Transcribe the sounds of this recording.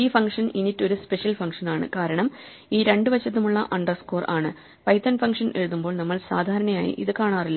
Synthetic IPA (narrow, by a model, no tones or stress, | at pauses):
iːfɐŋkʂɐninitːo̞ɾuspeʂjɐlfɐŋkʂɐnaːɳɨ̰kaːɾɐɳɐm | iːɾe̞ɳɖɨʋɐt͡ɕːɐt̪̬ːumuɭːɐʔɐɳɖɐrsko̞ːraːɳɨ | pɐjt̪ːɐnfɐŋkʂɐne̞̰ɻuðumbo̞ːɭnɐmːɐɭsaːd̪ʱaːɾɐɳɐma̰ːjḭʔḭðɨkaːɳaːrilːɐ